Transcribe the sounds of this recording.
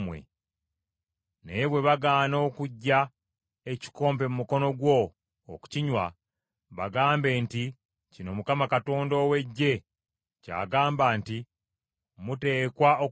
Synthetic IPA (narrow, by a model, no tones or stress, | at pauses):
mwḛ | neβwe̞βaɡaːno̞ːkuɟːa | e̞ci̥ko̞ːmpe̞mumuko̞no̞ɡwo̞̰ː | ku̥ciɲwa | βaɡaːmbe̞ːnti | cino̞mukamakato̞ːndo̞ːwe̞ɟːe̞ | ca̰ːɡaːmbaːnti | mute̞ːkwao